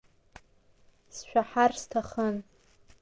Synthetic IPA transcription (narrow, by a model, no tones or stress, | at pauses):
sʃᶣaħarstʰaχən